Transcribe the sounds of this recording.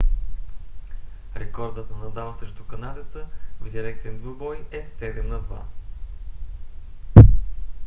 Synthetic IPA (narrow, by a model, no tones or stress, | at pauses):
ɾɛkɔɾd̪ət̪ənɐd̪alˠsɾɛʃt̪ʊkɐnad̪ʲət̪əvd̪ʲiɾɛk̚t̪ɛnd̪ubɔjɛsɛd̪ɛmnɐd̪va̰